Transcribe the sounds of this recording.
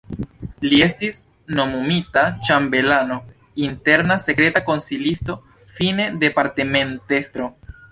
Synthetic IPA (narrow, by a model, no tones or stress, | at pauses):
lie̞stis | no̞mumitat͡ʃambe̞lano̞ | inte̞ɾnase̞kɾe̞tako̞nsilisto̞ | fine̞de̞paɾteme̞nte̞stɾo̞